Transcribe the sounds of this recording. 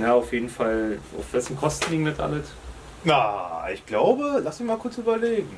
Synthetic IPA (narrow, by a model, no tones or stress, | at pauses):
jaːaʊfjeːdn̩fala̰ʊfv̥ɛsm̩kʰɔstn̩liːɡŋ̩nɛtʔa̰lət | naɪ̰çɡ̥laʊbəlasmɪçmaːlkʰʊɐt͡syːbɐleːɡŋ̩